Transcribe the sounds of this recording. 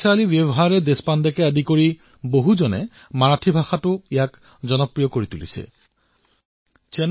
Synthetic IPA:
salibebɔɦaɹɛd̪espandɛkɛadikoɹi | boɦuzɔnɛ̰ | maɹatʰibʱaxatʊijak | zɔnɔpɹijɔkoɹit̪ulḭsɛ̰ | t͡ʃɛn

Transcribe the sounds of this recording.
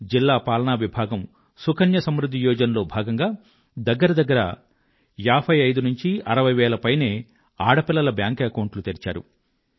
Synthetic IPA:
d͡ʒilːaːpaːlɐɳaːʋibʱaːɡɐm | sukʰɐnjɐsɐmɾud̪ʱːijɔːd͡ʒɐnɐlo̞ːbʱaːɡɐŋɡaː | d̪ɐɡːɐɾɐd̪ɐɡːɐɾɐ̰ | jaːpʰɐjɐjd̪unuɲt͡ʃiɐɾɐʋɐjʋɛːlɐpɐjneː | aːɽɐpilːɐlɐbjaːŋkekɐwɳʈlut̪eːɾit͡ʃa̰ːɾṵ

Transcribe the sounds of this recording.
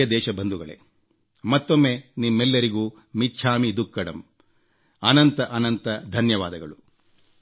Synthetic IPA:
ɐd̪ɛːʃɐbɐnd̪uɡɐɭḛ | mɐt̪ːo̞mːenimːɛlːɐɾiɡuː | miːʃʰaːmid̪ukːɐɽɐ̰m | ɐnɐnt̪ɐʔɐnɐnt̪ɐd̪ʱɐnjɐʋaːd̪ɐɡɐɭu

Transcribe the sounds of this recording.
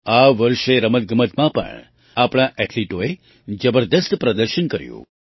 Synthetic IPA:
aʋəɾʃeɾəmət̪̚ɡəmət̪ʰmãpə̰ɳ | apɽ̃aʔɛʈʰliʈoe | d͡ʒəbəɾd̪əst̪ʰpɾəd̪əɾʃənkəɾjṵ̃

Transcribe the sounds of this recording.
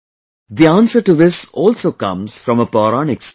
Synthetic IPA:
d̪iãːnsəɾʈuðɪsɔːlsoːkʌ̰̃mz̥fɾɔ̃məpɔːɾanɪks

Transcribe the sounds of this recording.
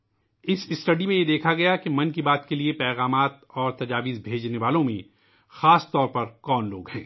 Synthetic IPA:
ɪsɪsʈɐɖimẽjed̪eːkʰaɡɐjakimɐ̃nkibaːt̪keliepɛːɣaːmaːt̪ɔːɾt̪ɐd͡ʒaːʋizbʱeːd͡ʒneʋaːlõmẽ | xaːst̪ɔːɾpɐɾkɔːnloːɡɦɛ̰̃ː

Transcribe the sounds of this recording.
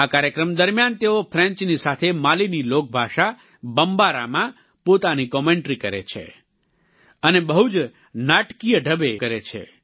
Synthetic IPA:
akaɾjəkɾəmd̪əɾmjant̪eopʰɾɛ̃ɲt͡ʃnisat̪ʰemalinilok̚bʱaʃa | bəmbaɾa̰mã | pot̪anikɔmeɳʈɾikəɾḛt͡ʃʰḛ | ənebəɦud͡ʒ | naʈkijəɖʱəbekəɾet͡ʃʰḛ

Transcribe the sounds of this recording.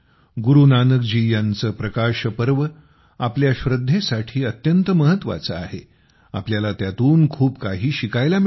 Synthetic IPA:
ɡuɾunanəkd͡ʑiːjãnt͡səpɾəkaɕəpəɾʋə | apljaɕʋɾəd̪ʱːesaʈʰiːət̪jənt̪əməɦət̪ːʋa̰t͡səa̰ɦe | a̰pljalat̪jat̪uːnkʰuːpkaɦiːɕikajlam

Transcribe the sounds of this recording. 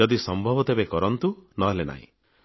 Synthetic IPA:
ɔd̪isɔmbʱɔbɔt̪ebekɔɾɔnt̪unɔɦlena̰ɦḭ̃

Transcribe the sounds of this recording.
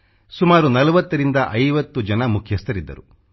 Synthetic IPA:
sumaːɾunɐlɐʋɐt̪ːɐɾind̪ɐʔɐjʋɐt̪ːud͡ʒɐnɐmukʰjɐst̪ɐɾid̪ːɐ̰ɾu

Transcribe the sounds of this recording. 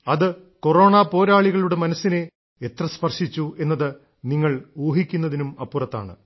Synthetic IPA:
ɐðɨ | ko̞ro̞ːɳaːpo̞ːɾaːɭiɣɐɭuɽe̞mɐnɐsːine̞ | et̪rɐspɐrʂit͡ɕːue̞nːɐðɨ | niŋːɐɭuːɦikʲːunːɐðinumɐpːurɐt̪ːa̰ːɳɨ̰

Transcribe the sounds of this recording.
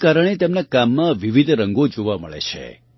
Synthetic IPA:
kaɾəɳ̃et̪emnakamːãʋiʋid̪ʱɾəŋɡod͡ʒoʋaməɭḛt͡ʃʰḛ

